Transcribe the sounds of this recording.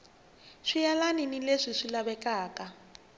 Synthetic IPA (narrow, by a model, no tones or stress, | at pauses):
ʂijalaninileʂiʂilaβɛkʼaːkʼa